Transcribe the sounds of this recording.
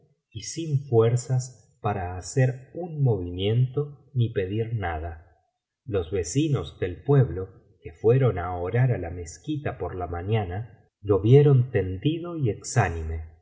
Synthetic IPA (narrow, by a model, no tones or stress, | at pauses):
isiɱfweɾsas | paɾaːseɾunmo̞βimjẽ̞nt̪o̞nipe̞ðiɾnaða | lo̞zβe̞sinozd̪e̞lpwe̞βlo̞ | kefwe̞ɾo̞naoɾaɾalameskit̪apoɾlamaɲana | lo̞βjeɾo̞nt̪e̞nd̪iðo̞ieksanime̞